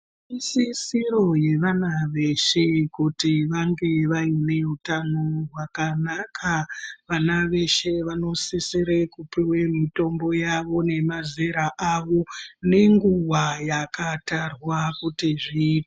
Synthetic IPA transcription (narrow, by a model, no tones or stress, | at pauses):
isisiɾo̞je̞ʋanaʋe̞ʃekutiʋaŋɡe̞ʋaine̞utanorwakanakʰaʋanaʋe̞ʃe̞ʋano̞sisiɾekupiwemito̞mbo̞jaʋo̞ne̞mazeɾaʔaʋo̞ne̞ŋɡuwajakatarwakutiʐiːte